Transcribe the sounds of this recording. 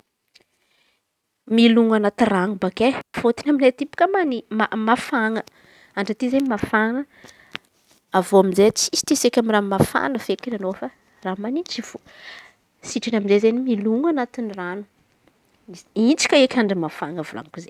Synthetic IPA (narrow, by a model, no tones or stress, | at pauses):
miluŋanat̪iranubakefot̪inaminet̪ipu̥kʲəmaniamafaŋə | aɳɖ͡ʐat̪izemafaŋə | avoaminzet͡si̥si̥t̪esekʲamiramafa̰nəfekinanofa | ramanit͡ʃivu | siʈ͡ʂinaminzezenimiluŋanat̪iniranu̥ | iint͡si̥kʲəekʲaɳɖ͡ʐimafaŋəvula̰ŋkuze